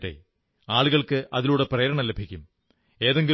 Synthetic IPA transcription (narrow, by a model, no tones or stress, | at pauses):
ʈːḛ | aːɭuɣɐɭkɨʔɐðiluːɽe̞prɐjɐɾɐɳɐlebʱikʲːum | e̞ːðe̞ŋɡi